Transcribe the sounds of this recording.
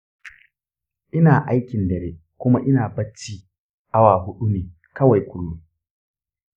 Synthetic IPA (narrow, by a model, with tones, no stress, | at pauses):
ʔɪ˦naː˨ʔa˦jkʲɪ˨ndɐ˨ɾeː˦ | kʷʊ˦ma˦ʔɪ˦naː˨bɐ˦t͡ʃːiː˦ | ʔa˦waː˨ɦʊ˦ɗu˦neː˨ | kɐ˦wa˨jkʷʊ˦lːʊ˦